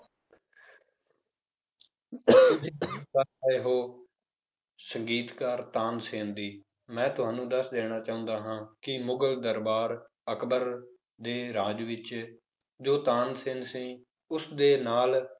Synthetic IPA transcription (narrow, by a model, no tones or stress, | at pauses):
əeːɦoː | səŋɡiːt̪kaːɾt̪ãːnsɪːnd̪iː | mɛ̃ːt̪ʊɦãːnũːd̪əsd̪eːɽ̃aːt͡ʃaːʊ̃nd̪aːɦãːkɪmʊɡəld̪əɾbaːɾ | əkʰbəɾ | d̪eːɾaːd͡ʒʋɪt͡ʃ | d͡ʒoːt̪aːnsɪːnsĩː | ʊsd̪eːnaːl